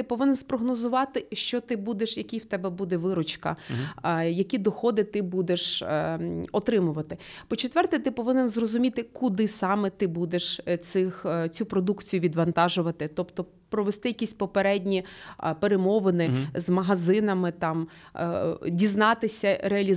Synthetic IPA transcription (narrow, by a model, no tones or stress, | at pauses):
t̪ɪpɔʋɪnɛnspɾɔɦnɔzʊʋɑt̪ɪʃt͡ʃɔt̪ɪbud̪eʃjɐkʲiwt̪ɛbɛbud̪ɛʋɪɾɔt͡ʃkɐ̰ | jɐkʲid̪ɔxɔd̪ɪt̪ɪbud̪eʃ | ɔt̪ɾɪmʊʋɐt̪ɪpɔt͡ʃet̪ʋɛrt̪ɪjt̪ɪpɔʋɪnenzrɔzʊmʲit̪ɪkʊd̪ɪsɑmɛt̪ɪbud̪eʃt͡s̪ɪxt͡sʲupɾɔd̪ukt͡sʲijʊʋʲid̪ʋɐnt̪ɑʒʊʋɐt̪ɪt̪ɔpt̪ɔ | pɾɔʋest̪ɪjɐkʲisʲpɔpeɾɛdʲnʲipeɾemɔʋɪnɪzmɐɦɐzɪnɐmɪt̪ɑm | dʲiznɑt̪ɪsʲɐɾeɐlʲi